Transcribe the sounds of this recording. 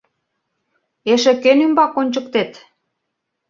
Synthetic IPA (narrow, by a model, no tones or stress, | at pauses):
eʃĕkenymbɑkonʲt͡ɕə̆k̚t̪et̪